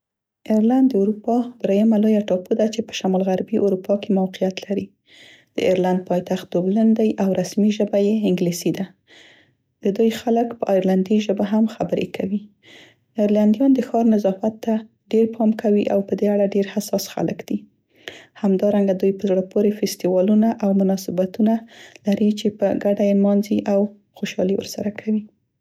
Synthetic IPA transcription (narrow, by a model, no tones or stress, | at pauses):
ɪɾland̪ːəuɾupɑd̪ɾajamalojaʈɑpod̪at͡ʃepə̥ʃamɑlɣaɾbiʔuɾupɑkemawqijat̪laɾi | d̪̥ə̰ɪɾland̪̚pɑjt̪axt̪̚d̪oblənd̪ajʔawɾasmiʒəbajeɪŋɡlisid̪a | d̪̥əd̪ujxaləkpəʔɑjɾland̪iʒəbaɦamxabəɾḛkʰawi | ɪɾland̪ijɑnd̪əxɑɾnazɑfat̪ːa | ɖeɾpʰɑmkʰawiʔa̰wpəd̪eaɽaɖeɾhasɑsxa̰lə̰kd̪̥i | hamd̪ɑɾaŋɡad̪ujpəzɽopoɾefɪst̪iwɑlunaʔawmʊnɑsɪbat̪unalaɾit͡ʃepəɡaɖajemɑnziʔaw | xoʃɑ̰liwə̰ɾsaɾakʰawi